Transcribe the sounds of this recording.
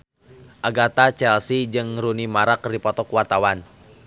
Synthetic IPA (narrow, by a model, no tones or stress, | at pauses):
ʔaɡat̪at͡ʃɛlsid͡ʒɨŋɾunimaɾakdipɔt̪ɔkuwart̪awan